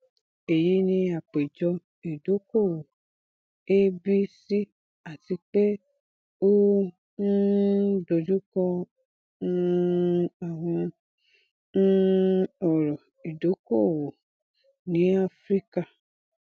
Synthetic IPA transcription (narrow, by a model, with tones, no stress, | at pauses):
e˨ji˨˦nĩ˧a˨k͡pe˨d͡ʒɔ˧ | i˨do˨˦ko˦˨wo˨ | e˦bi˦si˦ | a˨ti˧k͡pe˦ | o˦ | n̩˦do˨d͡ʒu˦kɔ˧˦ | a˨w̃ɔ̃˧ | n̩˦ɔ˨ɾɔ˨ | i˨do˨˦ko˦˨wo˨ | nĩ˨˦a˦fɾi˦ka˦˨